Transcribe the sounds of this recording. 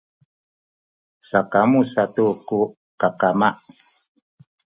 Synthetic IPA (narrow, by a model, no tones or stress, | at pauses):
sakamusatuku | kakamaʔ